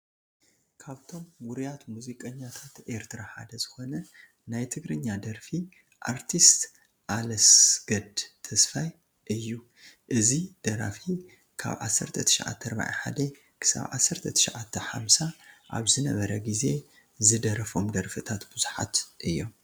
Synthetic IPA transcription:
kʰaβt̪ʰo̞mwʊɾijat̪muzikʼɐɲːat̪ʰat̪ʔe̞ɾt̪ʰɨɾaħa̰d̪ɐzɨxo̞nɐ | najt̪ʰɨɡɾɨɲːad̪ɐɾfi | ʔaɾt̪ʰist̪ | ʔalɐsɡɐd̪t̪ʰɐsfaj | ʔɨjːu | ʔɨzid̪̥ɐɾa̰fi | kʰa̰βʕa̰sːɐɾt̪ʰɐt̪ʰɨ̥ʃaʕa̰t̪ʰːɐɾba̰ʕa̰ħa̰d̪ɐ | kʰɨ̥sa̰βʕa̰sːɐɾt̪ʰɐt̪ʰɨ̥ʃaʕat̪ʰːɐħa̰msaʔa̰βzɨnɐβɐɾɐɡize̞ | zɨd̪ɐɾɐfo̞md̪ɐɾfɨt̪ʰat̪bɨzuħa̰t̪ʔɨjːo̞m

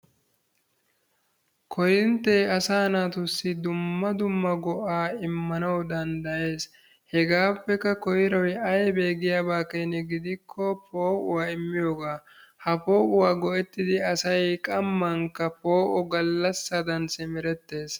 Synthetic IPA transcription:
kʰɔjɪnt̪ːejɐsaːnaːt̪ʊsːɪd̪ʊmːɐd̪ʊmːɐɡɔʔaːɪmːɐnɐwd̪ɐnd̪ɐje̞ːs | hɛɡaːpːɛkːɐkɔjɪɾɔjɐjɛbe̞ːɡɪjaːbaːkejnɛɡɪd̪ɪkʰːɔpo̞ːʔʊwaːɪmːɪjo̞ːɡaː | hɐpo̞ːʔʊwaːɡɔʔɛt̪ːɪd̪ɪɐsɐjkʼɐmːɐŋkːɐpo̞ːʔɔɡɐlːɐsːɐd̪ɐnsɪmɪɾɛt̪ːe̞ːs

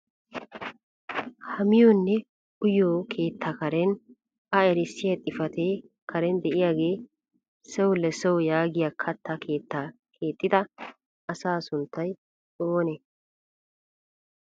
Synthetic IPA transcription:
hɐmɪjonːɛ | ʊjoːkʰe̞ːt̪ʰːɐkɐɾɛn | ɐɛɾɪsːɪjɐt̪ʼːɪfɐt̪eː | kʰɐɾɛnd̪ɛʔɪjaːɡe̞ː | sɛwʊlɛsɛwʊjaːɡɪjaːkʰɐt̪ːɐkʰe̞ːt̪ːa | kʰe̞ːt̪ʼːɪd̪ɐ | ɐsaːsʊnt̪ːɐj | oːnɛ

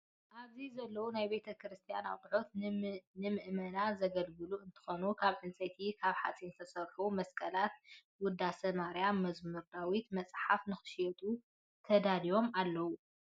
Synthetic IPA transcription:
ʔaβzizɐlːɐwunajbe̞t̪ʰɐkɾɨst̪ʰija̰na̰wkʼɨħot̪nɨmɨʔmɐnazɐɡɐlɡɨluɨnt̪ʰɨ̥xonukʰaβʕɨnt͡sʼɐt̪ʰikʰaβħa̰t͡sʼint̪ʰɐsɐɾħumɐskʼɐlat̪̚ | wʊd̪ːasɐmaɾjamːɐzmɨɾd̪awit̪mɐt͡sʼħafnɨxɨ̥ʃjɛt̪ʼu | t̪ʰɐd̪alijo̞malːɐwu

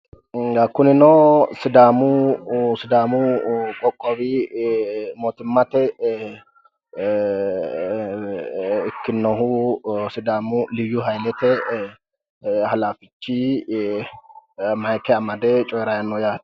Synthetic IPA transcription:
ɐkːʊnɪnɔsɪd̪aːmʊsɪd̪aːmʊkʼɔkʼːɔbɪ | mɔːt̪ɪmːɐt̪ɛ | ɪkːɪnːɔhʊsɪd̪aːmʊlɪwjʊɦɐjlɛt̪ɛ | hɐlaːfɪt͡ʃːi | mɐjkɛɐmɐd̪ɛt͡ʃʼɔjɾɐjɐnːɔjaːt̪

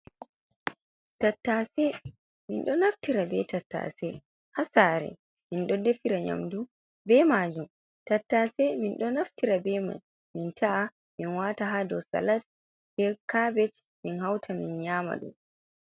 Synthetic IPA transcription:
tatːasɛ | minɗɔnaftiɾabɛtatːa̰sɛ | hasaːɾɛ̰ | minɗɔdefiɾaɲa̰mdu | bɛmaːd͡ʒum | tatːasɛminɗɔnaftiɾabɛma̰n | mintʰaʔa | minwataɦaːdɔwsa̰lat | bɛkabɛt͡ʃ | minhawtʰaminɲaːma̰ɗṵm

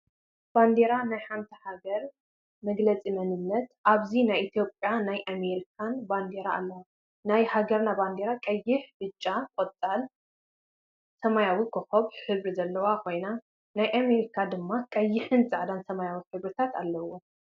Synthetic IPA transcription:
b̥and̪e̞ɾanajħant̪ʰɐhaɡɐɾ | mɐɡlɐt͡sʼimɐnɨnːɐt̪ʔaβzinajʔit̪ʰjo̞pʼjanajʔame̞ɾikʰanband̪eɾaalːɐwa | najhaɡɐɾnaband̪eɾakʼɐjːɪħbɨt͡ʃʼːakʼot͡s̪ʼal | sɐmajawikʰɨxoβħɨβɾizɐlːɐwakʰo̞jna | najʔame̞ɾikʰad̪ɨmːakʼɐjːɪħɨnzaʕd̪ansɐmajawiħɨβɾɨt̪ʰat̪alːɐwːo

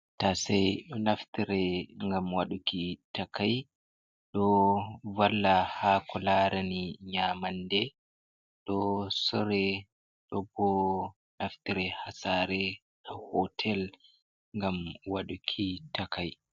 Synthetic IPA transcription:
tasɛjɗɔnaftiɾɛŋɡamwaɗukitakaj | ɗɔvalːahakʰɔlaɾaniɲamandɛ | ɗɔsɔɾɛ | ɗɔbɔ | naftiɾɛhasaːɾɛ | hahɔtʰɛl | ŋɡamwaɗukʰitakʰaj

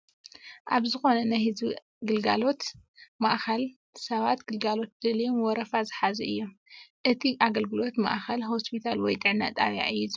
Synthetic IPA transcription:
ʔaβzɨxo̞nɐnajhɨzi | ɡɨlɡa̰lo̞t̪maʔxɐl | sɐβat̪ɡɨlɡalo̞t̪̚d̪̥ɨlijomwɔɾɐfazɨħazɐʔɨjːomʔɨt̪ʰiʔaɡɐlɡɨlo̞t̪ma̰ʔxɐlɦo̞spʰit̪ʰalwɔjd̪ʼɨʕna̰t̪ʼa̰βja̰ʔɨjːiz

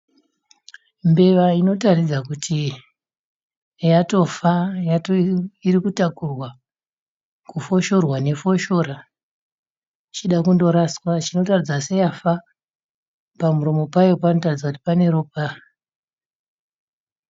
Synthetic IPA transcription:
mbe̞ʋaino̞tarid͡zakutʰi | jato̞fajatoirikutakurwa | kufo̞ʃo̞rwane̞fo̞ʃo̞ɾa | it͡ʃiɗakundo̞ɾaskwat͡ʃino̞tarid͡zasejafa | pamuromo̞pajopanotarid͡zakuti̥pane̞ɾoːp̚a

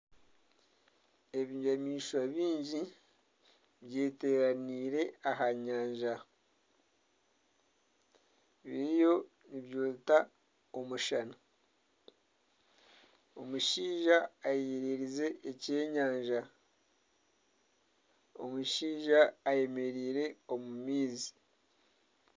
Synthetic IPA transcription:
e̞βiamiːʃwaβiːɲɟi | βje̞ːte̞ɾaniɾe̞aɦaɲaːɲʒa | βejo̞ | niβjoːta | omuʃana | o̞muʃiːʒaːjeeɾeɾize̞ːce̞ːɲaːɲʒa | o̰muʃiːʒaːje̞me̞ɾiːɾe̞o̞mumiːzi̥

